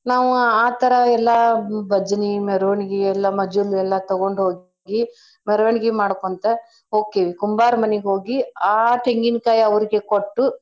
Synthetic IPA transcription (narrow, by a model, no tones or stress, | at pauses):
naːʋuaːt̪ɐɾɐɛlːɐbɐd͡ʒɐnimɛɾʋɐɳiɡiɛlːɐmɐd͡ʒulːuɛlːɐt̪ɐɡo̞ɳɖɦoːɡ | ɡi | mɛɾɐʋɐɳiɡimaːɽkont̪e | oːkeʋikumbaːɾmɐneɡeɦoːɡiaːʈʰeŋɡinkaːjɐɐʋɐɾiɡekoʈːu